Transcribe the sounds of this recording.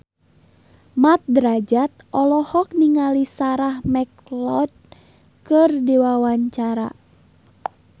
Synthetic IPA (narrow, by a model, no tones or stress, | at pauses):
mat̪̚dɾad͡ʒat̪̚ɔlɔhɔk̚niŋalisaɾahmɛklɔd̚ | kɨrdiwawaɲt͡ʃaɾa̰